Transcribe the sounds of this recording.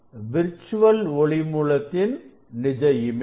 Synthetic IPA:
ʋɪɾt͡ʃːʊʋɐlɔɭɪmuːɭɐt̪ːɪn | nɪd͡ʒɐjɪm

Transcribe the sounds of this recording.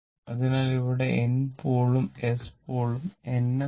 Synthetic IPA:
ɐðinaːliʋiɽe̞ʔenpoːɭumespoːɭumenːe

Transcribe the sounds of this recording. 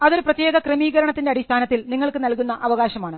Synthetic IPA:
ɐðo̞ɾuprɐt̪jeːɣɐkremiːɣɐɾɐɳɐt̪ːindeɐɽist̪ʰaːnɐt̪ːilniŋːɐɭkɨnɐlkunːɐʔɐʋɐɣaːɕɐmaːɳɨ

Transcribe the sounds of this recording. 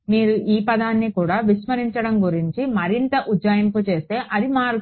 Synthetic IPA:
miːɾuʔiːpɐd̪aːnːikuːɽaːʋiʂmɐɾiɲt͡ʃɐɽɐmɡuɾiɲt͡ʃimɐɾint̪ɐʔudd͡ʒaːjɐmput͡ʃe̞ːst̪e̞ːʔɐd̪imaːɾ

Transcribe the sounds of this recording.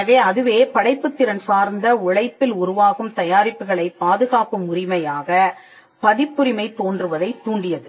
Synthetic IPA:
ɐʋeːɐðɯʋeːpɐɽɐɪpːɯt̪ːɪɾɐnsaːɾnd̪ɐʊɻɐɪpːɪlʊɾʊʋaːɣɯmt̪ɐjaːɾɪpːɯɣɐɭɐɪpaːðɯɣaːpɯmʊrɪmɐjaːɣɐ | pɐðɪpːɯɾɪmɐɪt̪ːoːndrɯʋɐðɐɪt̪ːuːɳɖɪjɐðɯ

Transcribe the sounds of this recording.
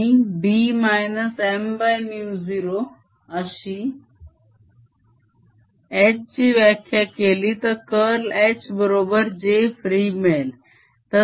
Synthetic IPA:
ibiːmajnəsembajmjuːziɾo | əɕi | et͡ɕt͡ɕiːʋəkʰjakelit̪əkəɾlet͡ɕbəɾobəɾd͡ʑefɾimel | t̪ə

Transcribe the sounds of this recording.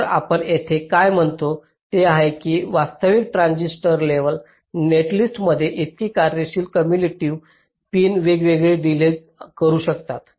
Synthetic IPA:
ɾa̰pəɳet̪ʰekajm̤əɳt̪o | t̪eaɦekiːʋast̪əʋik̚ʈɾãnd͡ʑisʈəɾleʋəl | neʈlisʈməd̪ʱːjeʔet̪iːkaɾeɕiːlkəmjuliʈiːʋ | piːnʋeɡʋeɡɭeɖile | kəɾuːɕəkt̪at̪

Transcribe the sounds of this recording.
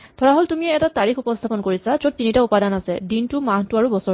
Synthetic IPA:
tʰɔɹaɦoltumiɛɛtataɹixupɔst̪ʰapɔnkoɹisazot̚tinitaupadanasɛdintumãɦtuaɹubɔsɔ

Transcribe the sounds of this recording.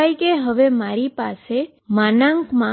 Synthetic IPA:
ajkeɦəʋemaɾipase | manãŋkmã

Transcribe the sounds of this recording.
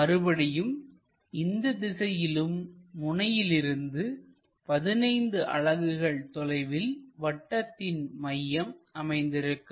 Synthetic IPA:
ɐɾɯbɐɽɪjɯm | ɪnd̪ɐd̪ɪsɐjɪlɯmːʊɳɐjɪlɪɾɯnd̪ɯ | pɐðɪnɐɪnd̪ɯʔɐ̰ɻɐɣɯɣɐɭt̪ɔlɐɪʋɪlʋɐʈːɐt̪ːɪnmɐjːɐmɐmɐɪnd̪ɪɾɯkːɯ

